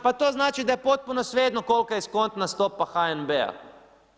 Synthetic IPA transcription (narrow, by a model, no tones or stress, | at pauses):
pat̪oːznaːt͡ʃid̪ajɛpot̪̚punosʋeːd̪nokolkajiskont̪nast̪oːpaxaenbea̰